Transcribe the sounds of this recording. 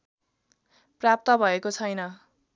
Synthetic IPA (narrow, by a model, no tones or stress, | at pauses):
prap̚t̪ʌbʱʌekot͡sʰʌjnʌ